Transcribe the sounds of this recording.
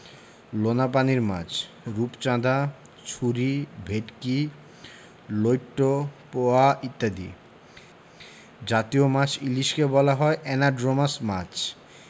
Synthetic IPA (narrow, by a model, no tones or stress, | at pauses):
lonap̬aniɾmã̰t͡ɕʰ | ɾupt͡ɕãd̪a | t͡ɕʰuɾibʱeʈki | lojʈːopoaʔit̪ːad̪ḭ | d͡ʑat̪iomãt͡ɕiliʃkebɔlaɦɔeʔɛnaɖɾomasmat͡ɕʰ